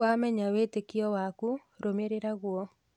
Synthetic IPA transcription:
wamɛɲawetekiɔwaku | ɾomeɾeɾaɣwɔ

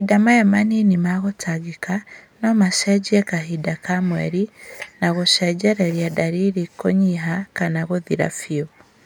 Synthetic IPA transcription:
idamajamaninimaɣotʰaɡikanomaʃeɟiekaɦidakamwḛɾinaɣoʃeɟeɾeɾjadaɾiɾikoɲiɦakanaɣoðiɾa̰fio

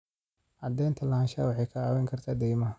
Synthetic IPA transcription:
ʕɑd̪ɛjnt̪ʰɐlɐhaːnʃa̰ːwɑħɛjkʰɐaːwɛŋkʰɐrt̪ʰaːd̪ɛjmɐ

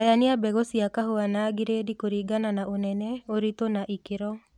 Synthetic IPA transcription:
janɪabɛɡosiakaɦoanaɡɪɾedikoɾiɡananaʔonɛnɛoɾit̪onaʔikɪɾɔ

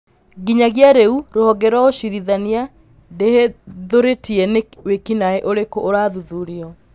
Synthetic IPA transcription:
ɡiɲaɣjaɾeuɾohɔɡɛɾwɔoɕiɾiðania | deheðoɾetiɛnewekinaeʔoɾekoʔːɾaːðuðuɾiɔ

